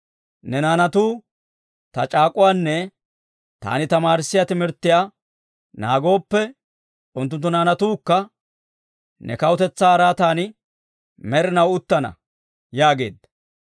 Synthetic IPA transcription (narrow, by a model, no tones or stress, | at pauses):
nɛnaːnɐt̪uː | t̪ɐt͡ʃʼaːkʼʊwaːnːɛ | t̪a̰ːnɪt̪ɐmaːɾɪsːɪjat̪ɪmɪɾt̪ːɪjaː | naːɡo̞ːpːɛ | ʊnt̪ːʊnt̪ːʊnaːnɐt̪uːkːɐ | nʔɛ̰kɐwʊt̪ɛt͡sːaːɾaːt̪aːnɪ | mɛɾɪnɐwʊt̪ːɐnɐ̰ | jaːɡe̞̰ːd̪ɐ